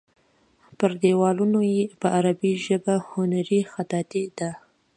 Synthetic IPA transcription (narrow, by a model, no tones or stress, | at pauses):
pəɾd̪ewɑlunojepəʔaɾabiʒəbahʊnaɾixat̪ɑt̪id̪a